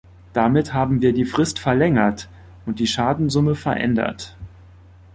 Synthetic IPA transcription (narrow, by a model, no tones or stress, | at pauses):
d̥amɪthaːbm̩viːɐdiːfʁ̥ɪstfɛɐlɛŋɐt | ʔʊnt̚d̥iːʃaːdn̩zʊməfɛɐʔɛ̰ndɐ̰t